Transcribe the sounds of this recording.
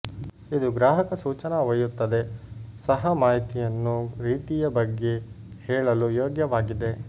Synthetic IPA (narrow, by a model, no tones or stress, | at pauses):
id̪uɡɾaːɦɐkɐsuːt͡ʃɐnɐʋɐjut̪ːɐd̪e̞sɐɦɐmaːɦit̪ijɐnːuɾiːt̪ijɐbɐɡːe̞ | hɛːɭɐlujoːɡjɐʋaːɡid̪e̞